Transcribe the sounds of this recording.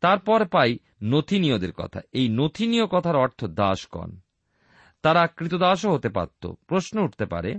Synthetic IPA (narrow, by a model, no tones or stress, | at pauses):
t̪aɾpɔɾpaj | not̪ʰinijod̪eɾkɔ̰t̪ʰa̰ejnot̪ʰiniokɔt̪ʰaɾɔɾt̪ʰod̪aʃkɔ̰n | t̪aɾakɾit̪od̪aʃ̬oɦot̪epa̰t̪ːo̰pɾoʃnouʈʰt̪epa̰ɾḛ